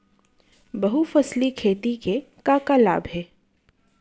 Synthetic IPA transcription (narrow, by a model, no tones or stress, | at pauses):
bɐɦufɐslikʰeːt̪ike | kakala̰ːbɦɛː